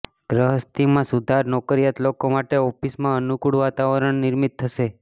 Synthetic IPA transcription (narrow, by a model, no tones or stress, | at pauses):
ɡɾəɦəst̪imãsud̪ʱaɾnɔkɾijat̪lokomaʈeofismãənukuɽʋat̪aʋəɾəɳnɪɾmit̪ʰːəʃe